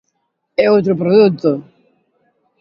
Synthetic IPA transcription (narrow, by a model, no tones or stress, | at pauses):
ɛot̪ɾopɾoðut̪ːo